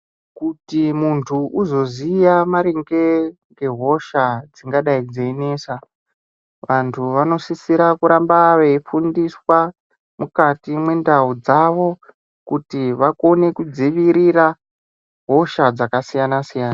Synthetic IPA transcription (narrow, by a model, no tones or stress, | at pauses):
kutimuntʰuʔuzo̞zijamaɾiŋɡe̞ŋɡe̞ɦo̞ʃad͡ziŋɡaɗaid͡zeːnesa | ʋantʰuʋano̞sisiɾakuɾambaʋeifundiswa | mukatimwe̞ndaud͡zaʋo̞ | kutiʋako̞ne̞kud͡ziʋiɾira | ɦo̞ʃad͡zakasijanasijaːna